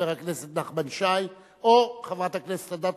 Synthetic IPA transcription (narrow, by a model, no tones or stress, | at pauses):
eʁakneset̪̚naχbanʃaj | oχevʁat̪aknese̥t̪ad̪at̪